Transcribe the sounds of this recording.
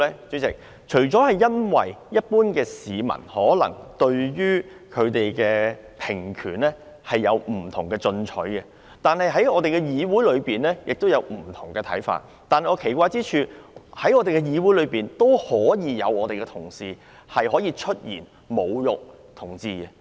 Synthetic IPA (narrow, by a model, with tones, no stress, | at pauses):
ɛ˥t͡syː˨˥t͡sɪ˨k̚ | t͡ʃʰɵ˨˩ɥt͡sɔː˨˥hɐ˨jjɐ˥nwɐ̰˨˩jjɐ˥t̚puː˥nkɛː˧siː˨˧mɐ̰˨˩nhɔː˨˥lɐ̰˨˩ŋt̪ɵ˧ɥjyː˥ | kʰɵ˨˧t̪e˨jkɛː˧ | pʰɪ˨˩ŋkʰyː˨˩nlɛː˥ | hɐ˨jːɐ˨˧wm̩˨˩t̪ʰʊ˨˩ŋkɛː˧t͡sɵ˧nt͡ʃʰɵ̰˨˥jkɛ˧ | t̪aː˨nhɐ˨jɦɐ˨˥jɔː˨˧t̪e˨jkɛ˧jiː˨˧wuː˨˥jlɵ˨˧ɥpiː˨nlɛː˥jɪ˨k̚t̪wjɐ˨˧wm̩˨˩t̪ʰʊ˨˩ŋkɛː˧t̪ʰɐ̰˨˥jfa̰ː˧t̚ | t̪aː˨nhɐ˨˩ŋɔː˨˧kʰe˨˩jkʷaː˧jt͡siː˥t͡ʃʰyː˨hɐ˨˥jɔː˧t̪e˨kɛ˧jiː˨˧wuː˨˥jlɵ˨˧ɥpiː˨nt̪o˥whɔː˨˥jiː˨˧jɐ̰˨˧wɔː˨˧t̪e˨jkɛ˧t̪ʰʊ˨˩ŋsiː˨ | hɐ˨jhɔː˨˥jiː˧t͡ʃʰɵ˥t̚jḭː˨˩n | mo˨˧wjʊ˨k̚ | t̪ʰʊ˨˩ŋt͡siː˧kɛ˧